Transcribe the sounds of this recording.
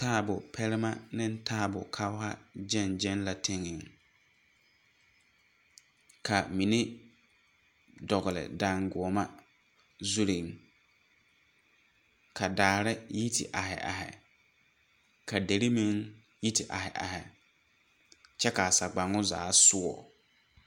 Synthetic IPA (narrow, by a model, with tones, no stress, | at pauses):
taː˦˨bʊ˨pʰɛ˦lɪ˦ma˦nɪ̃˦n˦tʰaː˦˨bʊ˨kʰa˦ʊ˦ɦa˦d͡ʒɛ˦˨nd͡ʒɛ˦nla˨tʰɪ˦ŋɪ˨ŋ | kʰa˨mi˨ni˦ | dɔ˨ɣʊ˨lɪ̰˨da˨ŋɡʊ˨ɔ˨ma˦ | zu˦ɾi˨ŋ | kʰa˨daː˨ɾɪ˦ji˦tʰɪ̰˨ʔa˨ɦɪ̰˨ʔa̰˨ɦɪ̰˨ | ka˨de˨ɾi˦mi˦ŋ | ji˦tɪ˨ʔa˨hɪ˨ʔa̰˨hɪ̰˨ | t͡ʃɛ˦ka˨sa˨ɡ͡ba˨ŋʊ˦za̰ː˨˦sʊ˦ɔ̰˨